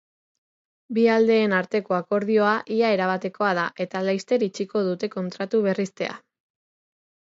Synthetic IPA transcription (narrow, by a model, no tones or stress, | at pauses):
biald̪e̞ːnaɾt̪e̞ko̞ako̞ɾð̞io̞aʔiae̞ɾaβ̞at̪e̞ko̞að̞aʔe̞t̪alajst̪e̞ɾit͡ʃiko̞ðut̪e̞ko̞nt̪ɾat̪uβ̞e̞rist̪e̞a̰